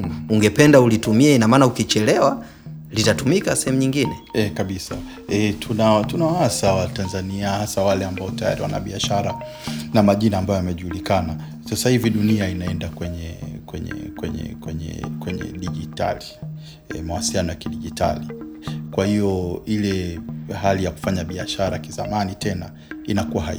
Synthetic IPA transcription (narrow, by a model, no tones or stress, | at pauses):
uŋɡɛpɛndaulitumiɛinamaːnaukit͡ʃɛlɛwa | litatumikasɛhɛmuɲiŋɡinɛɛkaɓisa | ɛtʰunatunawaasawatanzaniahasawalɛambaɔtaja̰ɾiwa̰na̰ɓiaʃaɾa̰ | namaʄinaːmbajɔjamɛʄuːlikana | sasahiviɗuniainaɛndakwɛɲɛkwɛɲɛ̰kwɛɲɛ̰kwɛɲɛ̰kwɛɲɛ̰ɗiʄita̰li | ɛmawasilijanɔjakiɗiʄitʰa̰likwahiɔilɛɦalijaku̥faɲaɓia̰ʃaɾakiza̰manitʰɛna | inakuwaɦa